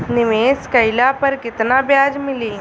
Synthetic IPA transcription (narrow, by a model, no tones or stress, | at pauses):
nɪʋeːskɐɪlapɐɾkɪt̪nabjaːd͡ʒmɪliː